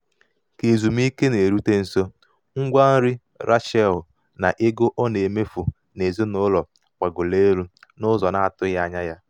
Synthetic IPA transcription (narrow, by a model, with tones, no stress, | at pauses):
ke˨zu˨m˦i˦ke˦ne˨ɾu˦te˦n̩˨so˦ | ŋ̩˦ɡʷa˦n̩˦ɾi˦ | ɾʔa˦ʃɛ˦˨l | na̰˨ʔɪ˦ɡo˦ʔɔ˦ne˨me˦fu˨ | ne˨zo˦nʊ˦lɔ˨ | kʷa˨ɡʊ˨le˦ɾu˦nʊ˦zɔ˨na˨a˨tʊ˦ja˨ɲa˦ja˦